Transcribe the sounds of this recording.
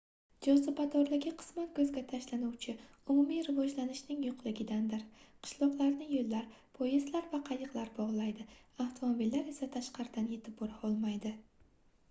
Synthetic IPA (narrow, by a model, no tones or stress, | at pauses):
d͡ʒɒsopad̪ɒɾlɪɡʲɪqʰɨ̥smat̪kʰɵzɡʲat̪ʰaʃlanuwt͡ʃʰɪ | ʊmumijɾɪvɒd͡ʒlanɪʃnɪŋjʊqʰlˠɪɡʲɪd̪and̪ɪɾqʰɨ̥ʃlˠɒqlˠaɾnɪjolːaɾpʰojɪzlaɾvaqʰɑjɨqlˠaɾbɒʁlˠajd̪ɪaft̪ʰomobilːaɾe̞sat̪ʰaʃqɑɾɪd̪anje̞t̪ʰɪp̚boɾaɒlˠmajd̪ɪ